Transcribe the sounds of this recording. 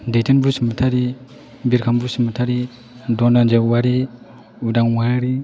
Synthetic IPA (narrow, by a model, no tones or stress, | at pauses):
dejtʰinbusimutʰaɾi | biɾkʰambusimutʰaɾi | dɔnand͡ʒeuwaɾi | udaŋwaɾi